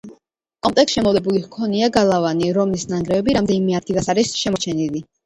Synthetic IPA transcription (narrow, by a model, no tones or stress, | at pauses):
kʼɔmt̪ʼɛksʃɛmɔvlɛbulikʰɔniaɡalˠavaniɾɔmlisnaŋɡɾɛvɛbiɾamd̪ɛnimɛaɾt̪ʰilˠasaɾisʃɛmɔt͡ʃʰɛnili